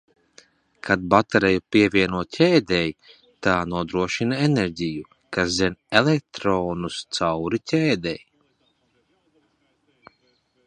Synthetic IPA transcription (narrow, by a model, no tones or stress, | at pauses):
kʰad̪̚bat̪aɾɛjupʲiɛvʲiɛnuɔt̪cʲʰɛːd̪ɛj | t̪aːnuɔd̪ɾuɔʃinaeneɾʲɟʲiju | kaszɛnelek̚t̪ɾoːnust̪sawɾicʲɛːd̪ɛj